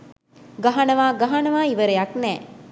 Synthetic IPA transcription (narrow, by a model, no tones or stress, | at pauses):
ɡɐɦanɐʋaːɡɐɦanɐʋaːiʋəɾejaknɛː